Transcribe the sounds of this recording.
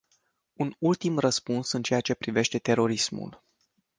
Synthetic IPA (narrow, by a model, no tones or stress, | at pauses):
unult̪imrəspunsɨnt͡ʃe̞jat͡ʃe̞pɾive̞ʃt̪e̞t̪e̞ɾo̞ɾismṵl